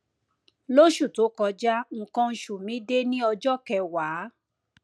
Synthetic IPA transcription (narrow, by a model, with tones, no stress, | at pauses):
lo˦ʃu˦˨to˨˦kɔ˧d͡ʒa˦ŋ̩˧kã˦n̩˧ʃu˨mĩ˨˦de˦nĩ˦ɔ˧d͡ʒɔ˦kɛ˧waː˨˦